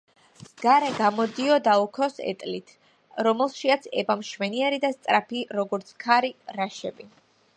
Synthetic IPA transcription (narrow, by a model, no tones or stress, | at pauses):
zɡ̥aɾɛɡamɔd̪iɔd̪aukʰɔsɛ̰t̪ʼlit̪ʰ | ɾɔmɛlˠʃiat̪sʰɛbamʃvɛniɛɾid̪ast̪sʼɾapʰiɾɔɡɔɾt̪sʰkʰaɾiɾaʃɛbi